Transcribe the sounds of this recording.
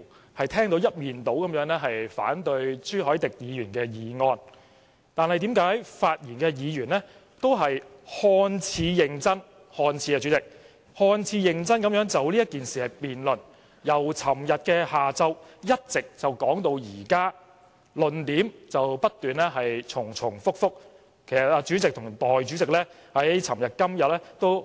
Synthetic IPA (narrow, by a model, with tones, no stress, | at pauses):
hɐ˨jt̪ʰɛː˥ŋt̪o˨˥wjɐ˥t̚miː˨nt̪o˨˥wkɐ˨˦mjœː˨˥ŋnɛː˥ɦɐ˨jfa̰ː˨˥nt̪ɵ˧ɥsyː˥ɦɔː˨˥jt̪ɪ˨k̚jiː˨˧jyː˨˩nkɛː˧jiː˨ŋɔː˧n | t̪aː˨˧nhɐ˨jt̪iː˨˥mkaː˨˥jfaː˧t̚jiː˨˩nkɛː˧jiː˨˧jyː˨˩nlɛː˥ | t̪o˥wɦɐ˨j | hɔː˧nt͡sʰiː˨˧jɪ˨˩ŋt͡sɐ˥n | hɔː˧nt͡sʰiː˨˧˥kɛː˧t͡ʃy˨˥t͡sɪ˨k̚ | hɔː˧nt͡sʰiː˨˧jɪ˨˩ŋt͡sɐ˥nkɐ˨˥mjœː˨˥ŋt͡sɐ˨wliː˥jɐ˥t̚kiː˨nsiː˨hɐ˨jpiː˨nlɵ˨˩n | jɐ˨˩wt͡sʰɐ˨˩mjɐ˨t̚kɛː˧haː˨t͡sɐ˥wjɐ˥t̚t͡sɪ˨k̚t͡sɐ˨˩wkɔː˨˥ŋt̪o˧wjiː˨˩kaː˥ | lɵ˨nt̪iː˨˥mt͡sɐ˨wpɐ˥t̚t̪yː˨nlɛ˥ɦɐ˨jt͡sʰʊ˨˩ŋt͡sʰʊ˨˩ŋfʊ˥k̚fʊ˥k̚ | kʰe˨˩jsɐ˨t̚aː˧t͡ʃyː˨˥t͡sɪ˨k̚t̪ʰʊ˨˩ŋt̪ɔː˨jt͡ʃyː˨˥t͡sɪ˨k̚lɛː˥ | hɐ˨˥jt͡sʰɐ˨˩mjɐ˨t̚kɐ˥mjɐ˨t̚lɛː˥t̪o˥w